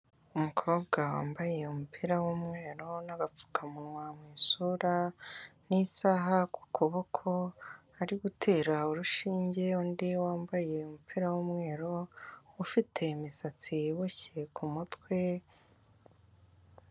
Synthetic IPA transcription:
umukʰo̞ːbɡawa̰ːmbaje̞umupʰiɾawumŋe̞ːɾo̞naɡap͡fu̥kʰamunwamwiːsuɾanisaɦaku̥kʰoβo̞kʰo̞ | aɾiɡutʰe̞ːɾaoɾuʃiːɲɟe̞uːndiwaːmbaje̞umupʰiɾawumŋe̞ːɾo̞ufitʰe̞misat͡siβuce̞kʰumutwe̞

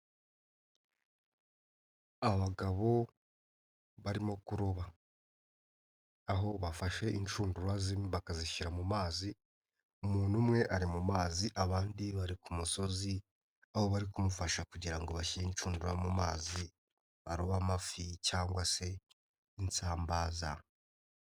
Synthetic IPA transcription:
aβaɡaβo̞ | βaɾimo̞kuɾoβa | ɦo̞βafaʃe̞ʔint͡ʃuːnduɾwazimβakaziʃiɾamumaːzi | umuːnumŋe̞ʔaɾimumaːziʔaβaːndiβaɾikumuso̞zi | aho̞βaɾikumufaʃakuɟiɾaŋɡo̞βaʃiɾeint͡ʃuːnduɾamumaːzi | βaɾoβamaficaːŋɡwase̞ | int͡saːmbaːza

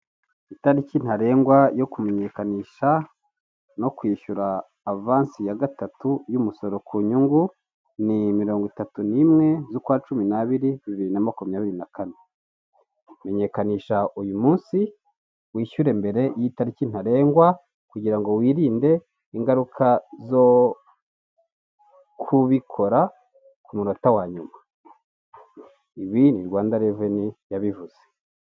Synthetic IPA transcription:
itaɾicin̥haɾe̞ːŋɡwajo̞kume̞ɲe̞kaniːʃa | no̞kwiːʃuɾaː | vaːnsijaɡatatujumuso̞ɾo̞kʰuɲuŋɡu | nimiɾo̞ːŋɡwitatunimŋe̞zukwaːt͡ʃuminaβiɾiβiβiɾinamakumiɲaːβiɾinakane | me̞ɲe̞kaniːʃaʔujumuːnsi | wiːʃuɾe̞mbe̞ɾe̞jitaɾicin̥aɾe̞ːŋɡwa | kuɟiɾaŋɡo̞wiːɾiːnde̞ | iŋɡaɾukʰazo̞ | kʰuβikʰo̞ɾa | kumunotawaːɲuma | iβiniɾɡwaːndaɾevenijaβivuze̥

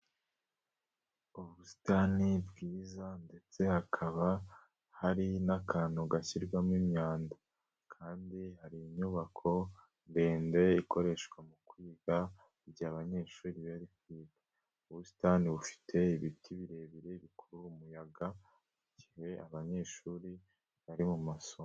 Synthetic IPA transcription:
uβusi̥tanibɡiːzande̞t͡se̞hakʰaβa | haɾinakʰaːnuɡaçiɾɡwamŋimɲaːnda | kʰaːndihaɾiɲuβakʰo̞ | mbeːnde̞iko̞ɾe̞ʃɡwamukwiːɡa | iɾɟaːβaɲe̞ːʃuːɾiββaɾikwiːɡa | uβusi̥taniβufi̥tʰe̞iβitiβiɾe̞ːβiɾe̞iβikuɾuːmujaɡa | iɟiheʔaβaɲe̞ːʃuːɾi | βaɾimumaso

